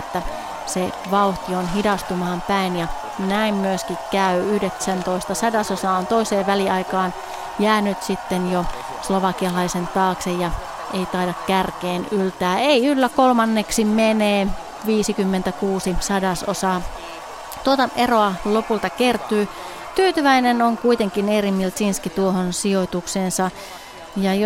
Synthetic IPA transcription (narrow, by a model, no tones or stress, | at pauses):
t̪ːæ | se | ʋɑuht̪ionɦidɑst̪umɑːmpæinjɑ | næimmyøskikkæyyhdeksænt̪oist̪ɑsɑdɑsosɑːont̪oiseːʋʋæliɑikɑːn | jæːnyt̪sit̪ːenjo | sloʋɑkiɑlɑisent̪ɑːksejjɑ | eit̪ɑidɑkkærkeːnylt̪æːeiylːækolmɑnːeksimeneː | ʋiːsikymːent̪ækuːsisɑdɑso̰sɑː | t̪uot̪ɑʔeroɑlopult̪ɑkert̪yː | t̪yːt̪yʋæinenoŋkuit̪eŋkinerimːilt̪sinskit̪uohonsiojt̪ukseːnsɑ | jɑj